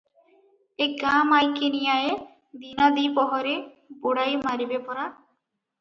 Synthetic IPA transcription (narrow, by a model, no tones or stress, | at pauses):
ekɡamajkenijaje | d̪inad̪ipɔɦɔɾe | boɽajmaɾibepɔɾa